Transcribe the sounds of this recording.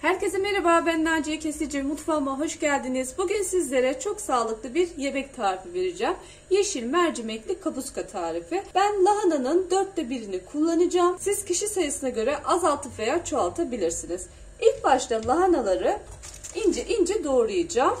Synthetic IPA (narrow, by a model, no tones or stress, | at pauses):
hæɾce̞zɛme̞ɾebaːbænlæd͡ʒijɛcʰe̞sed͡ʒimmːut̪famaɦo̞ʃɟælʲd̪inizbuɟynsizlʲe̞ɾɛt͡ʃʰo̞ksaːlˠɯklˠɯbiɾje̞bɛc̚t̪ʰaːɾifive̞ɾid͡ʒæm | jeʃinmæɾd͡ʒimɛclʲikʰabuskʰat̪ʰaːɾifib̥ænlˠaɦananɯnd̪øɾt̪ːɛbiɾinikʰulˠːanɯd͡ʒaːmsiz̥cʰiʃisajɯsɯnaɟø̞ɾɛʔazalˠt̪ʰɯfvejat͡ʃʰoalˠt̪ʰabilʲiɾsiniz̥ | ilʲcbaʃt̪ˠalˠaɦanalˠaɾɯ | ind͡ʒɛʔind͡ʒɛd̪o̞ɾlˠujɯd͡ʒaːm